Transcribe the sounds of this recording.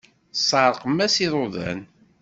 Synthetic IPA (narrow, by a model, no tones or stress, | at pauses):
sˤəɾˤqəmːæsiðˤoðˤæ̰n